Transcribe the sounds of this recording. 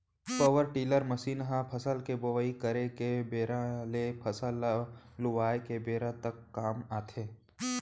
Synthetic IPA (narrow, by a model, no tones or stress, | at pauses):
pəʋəɾʈiːləɾməsiːnɦãpʰəsəlkebəʋəikəɾekebeːɾãlepʰəsəllʊʋaːekebeːɾãt̪əkːaːmaːt̪ʰeː